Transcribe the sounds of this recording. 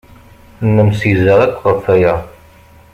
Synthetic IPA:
nːəmsizəʁæt̪ːʁəfæjæ

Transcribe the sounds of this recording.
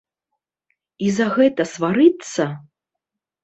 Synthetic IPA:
izɐɣɛt̪ɐsvaɾɨt̪sːɐ

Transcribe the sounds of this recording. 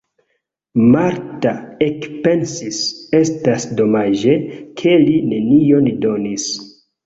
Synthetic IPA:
maɾtaekpe̞nsise̞stasdo̞mad͡ʒekʰe̞line̞nio̞ndo̞nis

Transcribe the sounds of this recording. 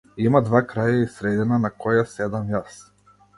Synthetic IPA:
imad̪vakɾajaisɾɛd̪inanakɔjasɛd̪amjas

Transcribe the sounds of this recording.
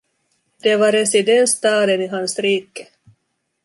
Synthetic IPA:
d̪̥ɛvaɾɛsɪd̪ɛnst̪ɑːd̪ənɪɦansɾiːkə̥

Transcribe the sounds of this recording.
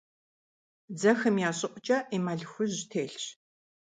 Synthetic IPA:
d͡zɐxɨmjaːɕʼɪqʷʼʊt͡ʃʼɐʔiːmaɮxʷʊʑtʰeːɬɕ

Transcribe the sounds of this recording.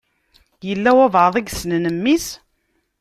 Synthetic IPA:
jəlːæwævəðˤiɡsnənəmːis

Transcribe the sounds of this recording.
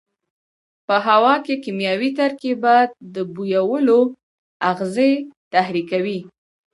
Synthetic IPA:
pəɦawɑkekimjɑwit̪aɾkebad̪̚d̪əbujawəlo | aɣzet̪ahɾikawi

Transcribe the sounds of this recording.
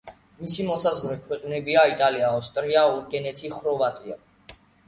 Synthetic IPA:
misimɔsazʁɾɛkʰwɛqʼnɛbiait̪ʼaliaːst̪ʼɾiauɾɡɛnɛt̪ʰiχɾɔvat̪ʼia̰

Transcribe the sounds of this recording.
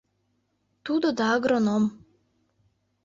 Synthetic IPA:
t̪ud̪od̪ɑːɡɾonom

